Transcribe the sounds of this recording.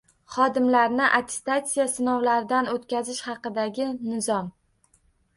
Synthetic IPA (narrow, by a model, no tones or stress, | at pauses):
χɒd̪ɪmlaɾnɪʔat̪ʲʰe̥st̪at̪sijasɪnɒwlaɾɪd̪anot̪kʲazɪʃhɑqɨd̪aɡʲɪnɪzɒm